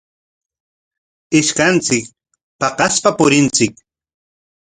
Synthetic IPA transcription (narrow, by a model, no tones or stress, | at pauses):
ɪʃkant͡sɪk | pɑqɑspapʊɾɪnt͡sɪk